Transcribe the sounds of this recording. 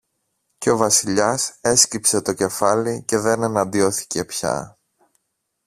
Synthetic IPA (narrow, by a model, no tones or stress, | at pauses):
ce̞o̞vɐsiʎɐse̞scipse̞t̪o̞ce̞fɐlice̞ðe̞ne̞nɐnd̪io̞θi̥ce̞pçɐ̰